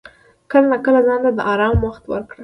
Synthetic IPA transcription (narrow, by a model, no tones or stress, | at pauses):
kəlalakəlazɑnt̪ad̪əʔɑɾɑmwaxt̪wə̰ɾkɽa